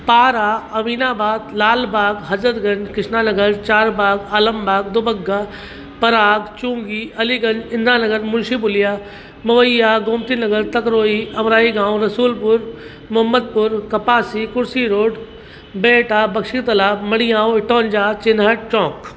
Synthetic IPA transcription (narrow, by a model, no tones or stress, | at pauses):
paːɾaːɐʋiːnaːbaːd̪laːlbaːɡɦɐzɾəd̪ɡɐ̃ɲd͡ʒkɪʃnaːnɐɡəɾt͡ʃaːɾbaːɡaːləmbaːɡ̚d̪obɐɡːaː | pɐɾaːɡt͡ʃũːŋɡiʔɐliɡɐ̃nd͡ʒɪ̃nd̪aːnɐɡəɾmʊnʃibʊlijaː | mɐʋəjaːɡõːmt̪inɐɡəɾt̪ɐkɾoːiɐmɾaːiɡãːw̃ɾɐsuːlpʊɾ | mʊɦəmːəd̪̚pʊɾkɐpaːsikʊɾsiɾoːɖ | beːʈaːbɐkʃit̪ɐlaːbmɐɽ̃ijãːoɪʈoːnd͡ʒaːt͡ʃɪnɦəʈ̚t͡ʃɔ̃ːk